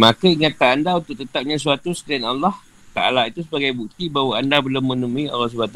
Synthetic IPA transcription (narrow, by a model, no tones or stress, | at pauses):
makaiŋat̪aːndaunt̪ʊk̚t̪ət̪ap̚ɲãs̬uat̪usət̪ianalːɔh | t̪a̰a̰lait̪usəbaɡajbuk̚t̪ibawaandabəlumə̃nəmuia̰lːɔs̬əbat̪u